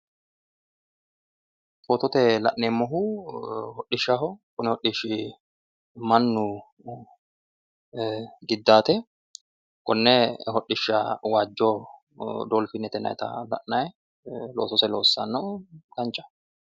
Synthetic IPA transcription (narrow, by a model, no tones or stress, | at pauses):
foːt̪ɔt̪ɛlɐ̰ʔneːmːɔɦʊ | hɔɗːɪʃːɐɦɔkʊnɪhɔɗiʃɪ | mɐnːʊ | ɡɪd̪ːaːt̪ɛ | kʊnːɛɦɔɗːɪʃːɐwaːd͡ʒːoː | d̪oːlfɪnɛt̪ɛnɐ̰jt̪ɐ̰lɐ̰ʔnɐj | loːsɔsɛloːsːɐnːɔk̪ɐnt͡ʃʼːɐ̥